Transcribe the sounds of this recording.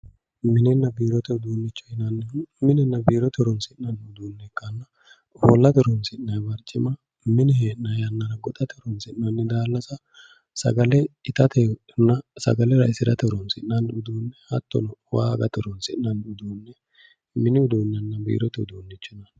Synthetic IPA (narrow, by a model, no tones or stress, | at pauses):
mɪnɛnːɐbiːɾɔt̪ɛʊd̪uːnːɪt͡ʃːɔ̥hɪnɐnːɛmɪnɛnːɐbiːɾɔt̪ɛɾɔnsɪʔnɐnʊd̪uːnːɛkːɐnːɐ | hɔ̰lːɐt̪ɛɾɔnsɪʔnɐjbɐɾt͡ʃʼːɪ̰mɐ | mɪnɪheːʔnɐjɐnːɐɾɐɡɔt̪ʼɐt̪ɛɾɔnsɪʔnɐnːɛd̪aːlːɐsɐ | sɐ̰ɡɐlɛɪt̪ɐt̪ɛ | nːɐsɐ̰ɡɐlɛɾɐɪsɪɾɐt̪ɛɾɔnsɪ̰ʔnɐnʊd̪uːnːɛhɐ̰t̪ːɔ̰nwaːɡɐt̪ɛɾɔnsɪʔnɐnʊd̪uːnːɛ | mɪnɪʊd̪uːnːɛnːɐbḭːɾɔt̪ɛʊd̪uːnːɪt͡ʃːɪnɐ